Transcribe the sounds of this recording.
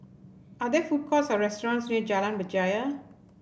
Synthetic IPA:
adɛfut̚kʰɔsɔɹɛstɔɹɔ̃nsniəd͡ʒalãnbəd͡ʒajə

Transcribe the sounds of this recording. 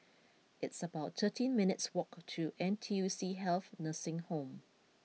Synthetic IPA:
ɪtsəbaʊttʰətʰĩnmɪnɪtswɔktʰuʔɛ̃ntʰiusiɦɛlθnəsɪ̃ŋhõm

